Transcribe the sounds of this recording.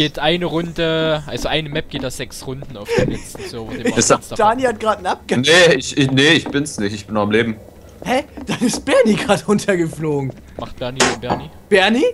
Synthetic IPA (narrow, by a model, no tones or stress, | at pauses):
ɡ̥eːtʰʔaɪnəʁʊndəʔalzoʔaɪnəmɛp̚ɡ̥eːt̚az̥ɛksʁʊndn̩aʊd̥enɛz̥oːvoːdeːɪsasd̥aːnihat̚ɡ̥ʁaːtn̩ap̚ɡ̥əneɪçɪneɪçb̥ɪnsnɪçtɪçb̥ɪnamleːbm̩ | hɛd̥anɪst̚b̥ɛɐniɡʁaːtʁʊntʰɐɡəfloːɡŋ̩ | maχt̚b̥ɛɐnifanbɛɐni | b̥ɛɐni